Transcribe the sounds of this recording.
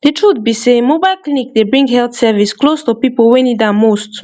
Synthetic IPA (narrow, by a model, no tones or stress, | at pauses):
detʰɹut̚bisemobajlklinik̚debɹĩŋɡɦɛlt̪sɛvisklostupipolwɛ̃nidamost